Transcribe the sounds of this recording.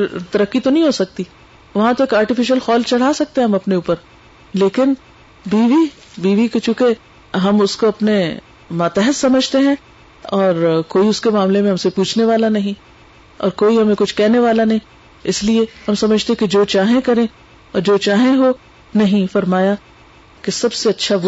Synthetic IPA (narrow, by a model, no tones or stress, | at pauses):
t̪ɐɾəkːit̪onɐɦĩɦosɐk̚t̪i | ʋɐɦãt̪oeːkaːɾʈɪfɪʃəlxɔːlt͡ʃɐɽ̤asɐk̚t̪eɦɛɦɐmɐpneuːpəɾ | leːkɪn | biːʋi | biːʋikt͡ʃũːke | ɦɐmʊskoɐpne | maːt̪ɛɦəssɐməd͡ʒʱt̪eɦɛ̃ | ɔːɾkoːiʊskemaːmlemẽɦɐmsepuːt͡ʃʰneʋaːlanɐɦĩ | ɔ̰ːɾkoːiɦɐmẽkʊt͡ʃʰkɛɦneʋaːlanɐɦĩ | ɪslieɦɐmsɐməd͡ʒʱt̪eked͡ʒoːt͡ʃaːɦẽkɐɾẽ | ɔːɾd͡ʒoːt͡ʃaːɦẽɦo | nɐɦĩfɐɾmaːja | kesɐbseɐtːʃʰaʋ